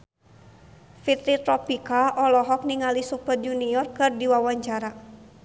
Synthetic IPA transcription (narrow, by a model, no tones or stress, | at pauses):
fit̪ɾit̪ɾɔpikaʔɔlɔɦɔk̚niŋalisupər̚d͡ʒuniɔrkɨrdiwawaɲt͡ʃaɾa